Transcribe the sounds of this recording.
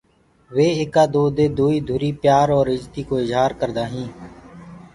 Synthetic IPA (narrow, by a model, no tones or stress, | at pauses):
ʋeːeːkaːd̪oːd̪eːd̪oːiːd̪ʱuːɾiːpjaːɾɔːɾɪd͡ʒt̪iːkoːɪzɦaːɾkəɾd̪aːɦĩː